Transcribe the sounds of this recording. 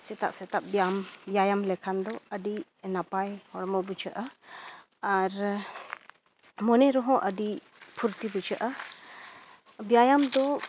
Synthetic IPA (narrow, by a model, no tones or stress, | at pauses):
sɛt̪a̰ʔsɛt̪aʔbambjajamlɛkʰand̪ɔəɖi | napajhɔɾmɔbut͡ʃʰaʔa | aɾ | mɔnɛɾɔɦɔ̃ʔəɖi | pʰuɾt̪ibut͡ʃaʔa | bjajamd̪ɔ